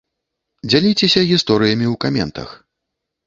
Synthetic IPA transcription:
d͡zʲalʲit͡sʲɛsʲɐɣʲist̪ɔɾɨjɐmʲiuwkamʲɛ̰nt̪ɐ̰x

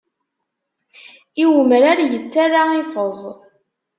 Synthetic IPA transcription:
iwməɾaɾajət͡sːarːaifəzˤ

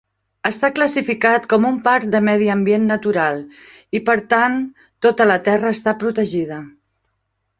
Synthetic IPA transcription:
əst̪akləsifikat̪kɔmumpaɾt̪d̪əmɛð̞iəmbijenːət̪uɾalˠ | ipəɾt̪an | t̪ːot̪ələt̪ɛrəːst̪apɾut̪əʒið̞ə

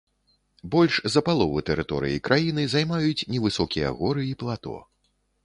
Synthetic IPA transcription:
bɔlʲʂzɐpalˠɔvɨt̪ɛɾɨt̪ɔɾɨ̰jḭkɾʔajinɨzajmajut͡sʲnʲɛvɨsɔkʲijɐ̰ɣɔɾɨiplˠat̪ɔ̰

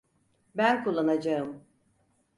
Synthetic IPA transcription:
bænkʰulˠːanad͡ʒaɯm

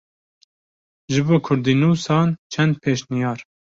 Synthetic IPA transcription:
ʒɨboːkʰʊɾd̪iːnuːsɑːnt͡ʃʰɛnd̪̚pʰeːʃnijɑːɾ

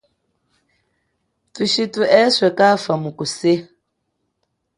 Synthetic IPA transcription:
tuʃituʔɛswɛkafəmukuse

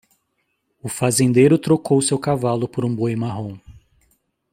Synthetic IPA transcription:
ʊfazẽnd̪ejɾʊt̪ɾokowsewkavalʊpoɾũbojmaɦõw̃

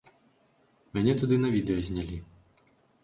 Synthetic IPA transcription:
mʲanʲɛt̪ud̪ɨnɐvʲid̪ɛjɐzʲnʲalʲi

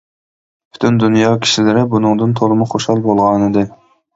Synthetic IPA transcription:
bʰy̥t̪ʰynd̪unjɑkʲʰi̥ʃilɪɾɪbunɨŋd̪ɨnt̪ʰoɾɨmʊχoʃhɑlˠbolˠʁɑnɨd̪ɨ

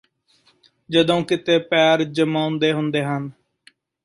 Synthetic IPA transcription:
d͡ʒəd̪õːkɪt̪eːpɛːɾd͡ʒəmãːʊ̃nd̪eːɦʊnd̪eːɦən

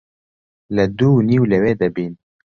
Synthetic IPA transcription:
ləd̪uːniːwləweːd̪ɛbiːn

